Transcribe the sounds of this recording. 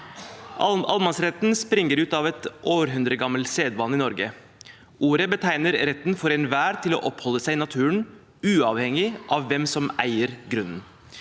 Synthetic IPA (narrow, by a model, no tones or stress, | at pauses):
ʔʔɑlmɑnsɾɛt̪nspɾɪŋːəɾʉːt̪ɑʋɛt̪ʔoːɾɦʉnd̪ɾəɡɑmːəlseːd̪ʋɑnːɪnɔɾɡə | uːɾəbət̪ʰæɪnəɾɾɛt̪ːnfɔɾɛnʋæːɾt̪ʰɪlo̰ːʔɔphɔlːəsæɪnɑt̪ʰʉːɳ | ʉːɑʋhɛŋɪʔɑʋːɛmsɔmʔæɪəɾɡɾʉnn̩